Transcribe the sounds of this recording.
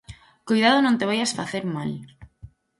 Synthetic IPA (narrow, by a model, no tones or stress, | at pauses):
kojðaðonõnt̪eβ̞ejasfa̰θeɾmal